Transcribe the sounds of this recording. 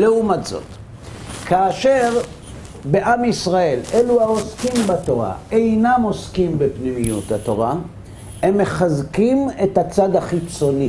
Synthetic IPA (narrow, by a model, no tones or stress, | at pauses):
leumatzo̞̰t̪ | kaːʃe̞ʁ | be̞ʔamisʁae̞leluhao̞skimbato̞ʁa̰e̞jnamo̞skimbepnimijuthat̪o̞̰ʁa | e̞mːe̞χazkime̞tat͡sad̪haχit͡so̞ni